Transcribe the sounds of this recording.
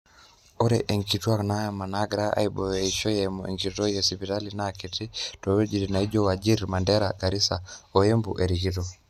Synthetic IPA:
o˦ɾɛ̰ʔe˨ŋki˨twa˦kna˦ja˨ma˨na˦ɡɾa˦a̰˦ibɔ˨jeiʃɔ˦jɛmɔḛ˨ŋki˨tɔ˦jɔ˨si˨pita˦linakiti˦to˨we˦d͡ʒi˨ɾi˨na˨i˦d͡ʒo˦wa˨d͡ʒi˦ɾma˨ndɛ˦ɾa̰ɡa˨ɾi˦sa˨o˨je˦mbṵ˨ʔe˨ɾi˨ki˦to

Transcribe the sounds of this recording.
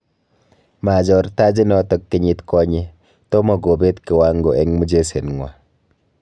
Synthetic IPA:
ma˨d͡ʒɔ˨ɾta˦d͡ʒi˦nɔ˦tɔ˦k̚ti˦ɲi˦tkɔ˦ɲe˦ | tɔ˦mɔ˨ɡo˨be˦tki˨wa˦ŋɡo˨ʔɛ˦ŋmu˦d͡ʒe˦se˨nŋwa˨

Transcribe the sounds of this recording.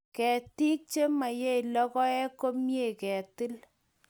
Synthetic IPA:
kɛ˨ti˦k̚t͡ʃe˦ma˨je˦i˨lɔ˦kɔ˦ɛ˦ko˦mje˦˨kɛ˨tɪ˦l

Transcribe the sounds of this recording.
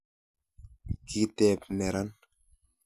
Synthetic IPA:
ki˦t̪ɛp̚nɛ˨ɾan

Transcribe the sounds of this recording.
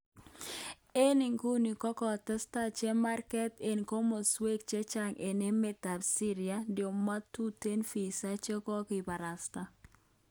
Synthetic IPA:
e˦ni˨ŋku˦ni˨kɔ˦kɔ˨tɛ˦sta˦t͡ʃe˦ma˦rkɛ˦te˨nko˦mo˨swe˦k̚t͡ʃe˦t͡ʃa˦˨ŋʔe˨ne˦me˨ta˨bsi˦ɾia˦dɪo˨ma˦tu˦te˦nfi˨sa˦t͡ʃe˦kɔ˦kɪ˨ba˨ɾa˨sta˦

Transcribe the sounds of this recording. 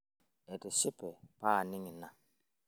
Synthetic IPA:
ɛ˨tɪ˨sɪ˦pʼɛ˨pa˦˨nɪ˦ŋɪ˨na˨

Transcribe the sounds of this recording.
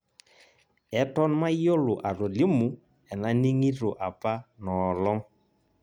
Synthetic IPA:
ɛ˨tɔ˦n˦ma˦i˦jo˦lʊ˨ʔa˨ɾo˨li˦mu˨˦ | ɛ˨na˦ni˦ŋi˦ɾo˨ʔa˨pa˦nɔː˨lɔ˦ŋ

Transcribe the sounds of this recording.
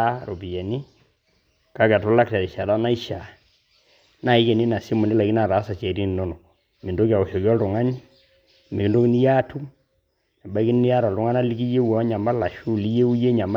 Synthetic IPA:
ɾo˨pi˨jɛ˨ni˦ | ka˦kɛ˨tʊ˦la˦k̚tɛ˨ɾi˨ʃa˨da˦na˦i˦ʃa˨ | na˦˨i˦ke˨ni˦na˨si˦mu˨ni˦la˨ki˦na˦˨ɾa˨˦sa˨t͡ʃɛ˨ɾi˦n˨no˦no˨ | mi˨ndo˦ki˦a˨o˨ʃo˨kjɔ˦ldʊ˨ŋa˦ni˦ | mi˨ki˨ndo˦ki˦ni˦ja˦tʰu˦m | na˨ba˦ki˦n˦ni˦ja˦ɾɔ˨ldʊ˦ŋa˦na˦li˦k̬i˦je˦wɔ˨˦ɲa˨ma˦la˨ʃu˦˨li˦je˦u˦je˦ɲa˨ma˦

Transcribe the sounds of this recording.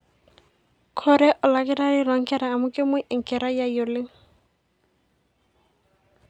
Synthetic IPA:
kʰɔɾɛ˦ʔɔ˨la˨kɪ˦ɾa˦ɾi˦la˨˦ŋ̩kɛ˦ɾaː˨mʊ˦kʼɪ˦mʊ˦ʔɪ˨ŋ̩˨kɛ˨ɾa˦ja˦jo˨lɪ˦ŋ̩

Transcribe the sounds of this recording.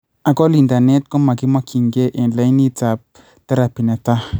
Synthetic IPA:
a˨ɡɔ˦li˨nda˨ne˦tkɔ˦ma˨ki˦ma˦kʰi˨ŋɡe˦ʔɛ˨nla˦i˦ni˦ta˨p̚ | ta˦ɾa˨pi˨nɛ˨ta˦

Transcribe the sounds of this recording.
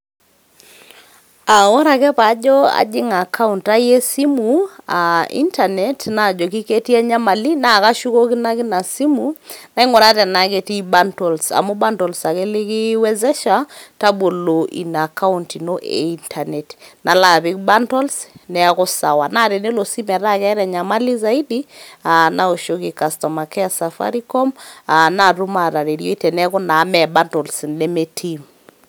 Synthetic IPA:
a˨wɔ˦ɾa˨kɛ˦pa˨˦d͡ʒɔ˦a̰˨d͡ʒɪ˦ŋa˨kʰa˦u˨nta˦je˦si˦mu˨a̰˨ḭ˦nta˨nɛ˨˦tna˦˨d͡ʒɔ˨ki˦ke˦ti˦a˦ɲa˦ma˨li˦na˦˨ka˦ʃu˦ko˦kɪ˦na˦kɪ˦na˨si˦mu˨na˦ɪ˦ŋɔ˨ɾa˦tɛ˨na˨ke˦ti˦ba˦ntɔ˨lsa̰˨mu˦ba˦ntɔ˨lsa˨kɛ˦lɪ˦kɪ˦wɛ˦zɛ˦ʃa˦ta˦bo˨lo˨ʔḭ˨na˨ka˦untino˦ʔḛ˨i˦ntʰa˨nɛ˨tna˨la˨pɪ˦k̚ba˦ntɔ˦lsnɛa˦kɔ˦sa˨wa˨na˦˨ɾe˨ne˦lo˨si˦mɛ˨ɾa˦kɛ˦ɾɛ˨ɲa˨ma˦li˦za˦i˦di˦a˨na˦o˨ʃo˦kɪ˨ka˨stɔ˨ma˨kɛ˦a˦sa˨fa̰˦ɾi˦kɔ˦ma˨na˦˨ɾu˦ma˨ɾa˨ɾe˨ɾjo˦i˦tɛ˨nɛ˦kɔ˦na˨˦mɛ˨ba˦ntɔ˨lsnɛ˦me˦tʰim

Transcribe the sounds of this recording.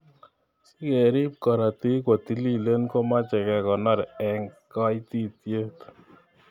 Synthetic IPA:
i˦ke˨ɾi˦p̚kɔ˨ɾa˨ti˦kwo˨t̪i˦li˦˨le˦nko˦ma˦t͡ʃɛ˨kɛ˨kɔ˨nɔ˦ɾɛ˨ŋka˦i˦t̪i˦tje˦t

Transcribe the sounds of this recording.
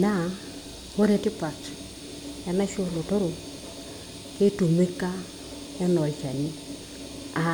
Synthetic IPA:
na˦˨ | ho˦ɾe˨tɪ˦pa˨t͡ʃ | ɛ˨na˦ʃo˦lo˨to˦ɾo˨ | ke˦tu˨me˦ka˦ | ɛ˦nɔ˨t͡ʃa˨ni˦ | a˨

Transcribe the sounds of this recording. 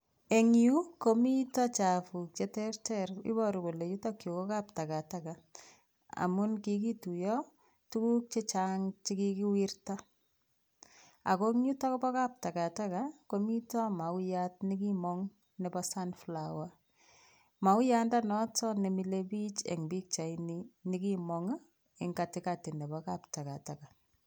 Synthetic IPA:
e˨ŋiu˦ko˨mi˦tɔ˦t͡ʃa˨fu˨k̚t͡ʃe˨tɛrtɛrḭ˦bɔɾi˨ko˨le˨ju˦tɔ˦kjo˨ko˦ka˦p̚ta˨ka˨taka | a̰˨mʊ˦nkik̬i˦tu˨jɔ | tu˦ku˦k̚t͡ʃe˦t͡ʃaŋt͡ʃi˦kiki˦wirta˦ | a̰˨ko˦ŋɲu˦tɔ˦ko˦bɔ˦ka˦p̚ta˨ka˨takako˦mi˦tɔ˦ma˨wʊjat̚ni˦ki˦mɔŋ | nɛ˨bɔsa˦nflawa˦ | ma˨wja˦nda˦nɔtɔ˦ne˨mi˨lebi˦t͡ʃḛ˨ŋbi˦k̚t͡ʃa˨inini˦ki˦mɔŋ | ɪ˨ŋɡa˨tɪkati˨nɛ˨bɔka˦pta˨ka˨ta˨ka˨

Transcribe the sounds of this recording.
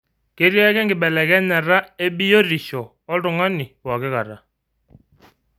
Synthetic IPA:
ke˦ɾja˦kɛ˦ŋɡɪ˨ɓɛ˨lɛ˨ɣɛ˦nɛ˨ɾa˦e˦bi˦jo˦ɾi˨ʃɔ˨ | ɔ˦ɾʊ˨ŋa˦nɪ˨wa˨kɪ˦ka˨ɾa˨

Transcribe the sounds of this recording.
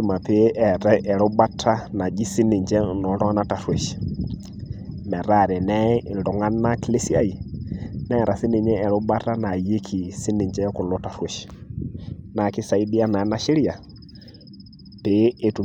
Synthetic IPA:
i˦ma˨pe˨ʔɛ˨ɾɛ˦ʔɛ˨ɾo˦ba˦tʰa˦na˨d͡ʒi˦si˦ni˨ɲd͡ʒɛ˦˨nɔ˨lɔ˦nata˨swɛ˨ʃi̥˨ | mɛ˨ɾa˨ɾɛ˨nɛ˦˨ndɔ˨ŋa˦na˦ki˦le˦si˦a˦i˨nɛ˦˨ɾa˨si˦ni˨ɲɛ˦ɛ˨ɾo˦ba˦ɾa˦na˨je˦kʰi˨si˦ni˨ɲd͡ʒɛ˦ku˨lɔ˦ta˨swɛ˨ʃi̥ | na˨ki˦sa˨i˦di˦a˦na˨˦na˦ʃi˦ɾi˦a˨ | pe˨e˨tu˨

